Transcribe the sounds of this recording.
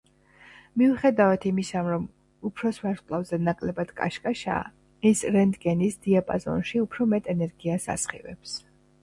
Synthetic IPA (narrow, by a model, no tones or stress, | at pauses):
miuχɛd̪avat̪ʰimisamɾɔm | upʰɾɔsvaskʼlˠavzɛnakʼlɛbad̪̥kʼa̰ʃkʼaʃa̰ː | isɾɛnd̪ɡɛnisd̪iapʼa̰zɔ̰nʃiupʰɾɔmɛt̪ʼɛnɛɾɡiasa̰sχḭvɛ̰ps